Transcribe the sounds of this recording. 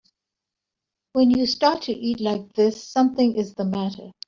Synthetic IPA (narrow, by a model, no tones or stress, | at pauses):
wə̃njɨstɑɹtʰɨʔitlaɪk̚ðɪsːʌ̃mθɪ̃ŋʔɪzðəmæɾə̰˞